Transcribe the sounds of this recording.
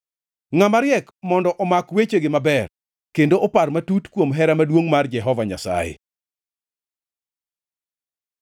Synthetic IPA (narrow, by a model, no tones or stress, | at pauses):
ŋamaɾjɛkmɔndɔʔɔmakwet͡ʃeɡɪmabɛr | kendoʔɔparmatutkwomɦɛɾamadwoŋmard͡ʒɛɦɔvaɲa̰sa̰jḛ